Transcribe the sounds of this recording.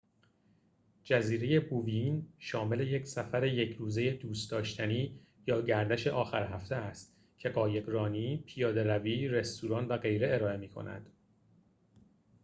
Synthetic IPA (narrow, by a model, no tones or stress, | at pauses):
d͡ʒæziːɾe̞je̞buvinʃɒːme̞le̞je̞cʰsæfæɾe̞je̞cʰɾuːze̞je̞d̪uːst̪d̪ɒːʃt̪ʰæniː | jɒːɟæɾd̪æʃe̞ʔɒːxæɾɦæft̪ʰeæst̪ | cʰe̞ɢɒːje̞ɡɾɒːniːpʰijɒːd̪e̞ɾæviːɾe̞st̪uɾɒːnvæɡe̞jɾe̞eɾɒːe̞miːkʰo̞̰nʔæ̰d̪̥